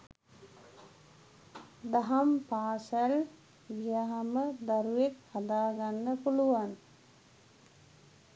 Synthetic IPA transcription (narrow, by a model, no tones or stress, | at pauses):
d̪aɦampaːsæl | ɡijaɦaməd̪aɾuekhad̪aːɡanːəpuluʋan